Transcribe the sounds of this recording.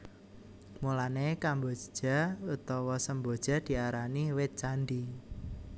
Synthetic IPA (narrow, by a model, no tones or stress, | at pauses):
mulanekambod͡ʒ̥d͡ʒ̥a̤ut̪ɔwɔsəmbo̤d̥ʒ̥a̤d̪̥i̤aɾaniwɪt̪̚t͡ʃand̪i